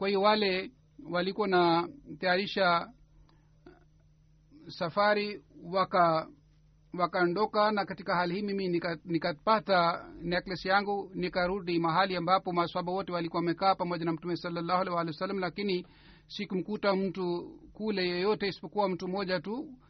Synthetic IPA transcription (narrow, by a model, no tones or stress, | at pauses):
kwahijɔwalɛ | walikuwanat̪ajaɾiʃa | safaɾiwaka | wakaɔndɔkanakatikaɦalihiːmiminikanikapatanɛklɛsijaŋɡunikaɾuɗimaɦaliambapɔmasuaɓawɔtɛwalikuwawamɛkaːpamɔʄanam̩tumɛsalːalːahalɛwalɛwsalːam̩lakini | sikum̩kutam̩tukulɛjɔjɔtɛisi̥pɔkuwam̩tumɔʄatu